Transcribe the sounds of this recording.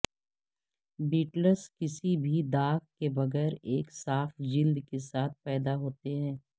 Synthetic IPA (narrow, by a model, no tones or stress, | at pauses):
biːʈləskɪsibʱid̪aːkkebɐɣɛːɾeːksaːfd͡ʒɪld̪kesaːt̪̚ʰpɛːd̪aɦoːt̪eɦɛ̃ː